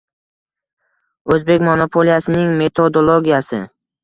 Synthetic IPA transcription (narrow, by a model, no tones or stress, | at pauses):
ɵzbe̞kʲmonopʰolijasɪnɪŋme̞t̪ʰod̪olˠoɡʲijasɪ